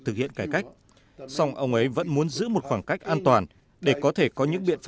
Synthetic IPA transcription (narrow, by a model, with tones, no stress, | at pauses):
t̪ɨ˨˩hḭ˧˨ənkaː˧˩jka˦˥jk̟̚ | sa˧wŋ͡mʔə˧wŋ͡mʔə˨˦jvə̰˧˥nmu˨˦ənzɨ̰˧˥mo˨˩t̚xwaː˧˩nka˦˥jk̟̚ʔaː˧nt̪waː˨˩n | ɗe˧˩kɔ˨˦t̪ʰe˧˩kɔ˨˦ɲɨ̰˧˥ŋɓḭ˧˨ənf